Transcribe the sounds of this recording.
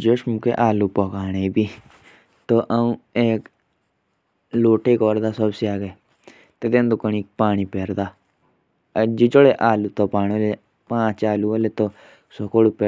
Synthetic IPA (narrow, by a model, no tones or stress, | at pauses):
d͡ʒoʃmukḛʔaːluːpɔːkaːñeːibiː | t̪oːʔəũːeːk | loːʈeːkɔːɾd̪aːsəbsiaːɡeː | t̪et̪ẽːnd̪okənik̚paːɳ̃iːpeːɾd̪aː | d͡ʒid͡ʒoɽeʔaːluːt̪oːpaːñiole | pãːt͡ʃaːluolet̪oː | sokoɽupe